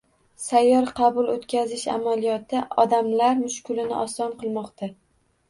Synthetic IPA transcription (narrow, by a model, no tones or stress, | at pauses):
sajːɒɾqʰɑbʊlˠot̪kʲazɪʃa̰malijɒt̪ʰɪɒd̪amlaɾmʊʃkʊlɪnɪ̰ʔɒsɒnqɨlˠmɒqt̪ʰa